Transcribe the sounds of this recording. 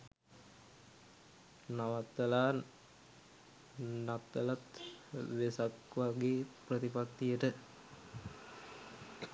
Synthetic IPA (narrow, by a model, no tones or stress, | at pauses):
naʋat̪ːəlaː | nat̪ːəlat̪ʋesakʋaɡeːprət̪ipak̚t̪ijəʈə